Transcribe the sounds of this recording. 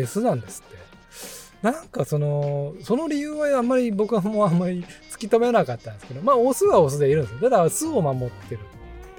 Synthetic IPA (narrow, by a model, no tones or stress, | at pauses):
esɨnãnd̪e̞sɨ̥t̪ːe̞ | nãŋkaso̞no̞so̞no̞ɾʲijɯːβaamːaɾʲibo̞kɯ̟ɡamo̞amːaɾʲit͡sɨ̥kʲit̪omenakat̪ːãnd̪esɨ̥ke̞d̪omaːosɨβaos̬ɨd̪eiɾɯ̟̃nd̪esɨj̪ad̪asɨomamo̞t̪ʰːe̞ɾɯ̟t̪ott̪ːe